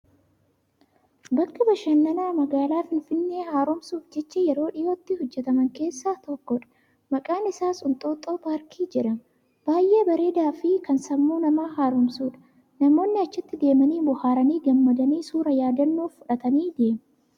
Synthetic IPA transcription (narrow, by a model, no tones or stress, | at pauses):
bɐkːɐbɐʃɐnːɐnaːmɐɡaːlaːfɪnfɪnːe̞ːhaːɾɔmsuːfd͡ʒɛt͡ʃːɐjɛɾo̞ːᶑɪjoːt̪ːɪhɔd͡ʒːɛt̪ɐmɐŋke̞ːsːaːt̪ɔkːɔᶑɐ̥ | mɐkʼaːnɪsaːsʊnt̪ʼoːt̪ʼoːpaːɾkʰiːd͡ʒɪɾɐn | b̥aːjʔe̞ːbɐɾe̞ːd̪aːfɪkɐnsɐmːuːnɐmaːɦaːɾɔmsuːᶑɐ̥ | nɐmo̞ːnːɪɐt͡ʃːɪt̪ːɪd̪e̞ːmɐniːbʊhaːɾɐniːɡɐmːɐd̪ɐniːsuːɾɐjaːd̪ɐnːuːffʊᶑɐt̪ɐniːd̪e̞ːmɛ